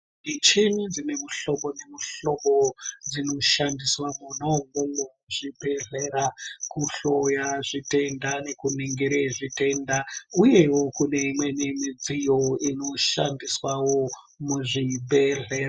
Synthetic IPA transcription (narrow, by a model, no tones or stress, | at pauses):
it͡ʃinid͡zine̞muɬo̞mone̞muɬo̞ɓod͡zino̞ʃandiswamunoŋɡoŋo | ʐibʱe̞ɮeɾakuɬo̞jaʐite̞ndane̞kuniŋɡeɾeʐite̞ndauje̞wo̞kune̞imwe̞nemid͡zijoino̞ʃandiswawo | muʐibe̞ɮeːɾa